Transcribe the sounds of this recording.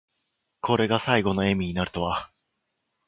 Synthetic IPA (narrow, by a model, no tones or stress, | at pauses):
ko̞ɾe̞ɡasaiɡo̞no̞e̞mʲiɲ̟inaɾɯ̟̥t̪o̞βa